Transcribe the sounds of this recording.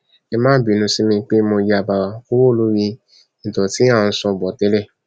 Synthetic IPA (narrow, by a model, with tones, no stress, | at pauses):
e˦mãː˦bi˨nũ˧si˦mĩ˧k͡pe˦mo˧ji˧˦a˨ba˨wa˨ko˦wo˦˨lu˨˦wi˧ | n̩˨tɔ˨ti˦a˦˨n̩˧sɔ̃˧˨bɔ˨te˦le˦˨